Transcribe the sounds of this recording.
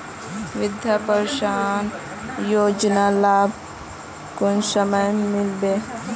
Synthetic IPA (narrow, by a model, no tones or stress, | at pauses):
ʋɪd̪ʱjapəɾʃaːn | joːd͡ʒnalaːb̚ʱ | kʊnsəməjmɪlbeː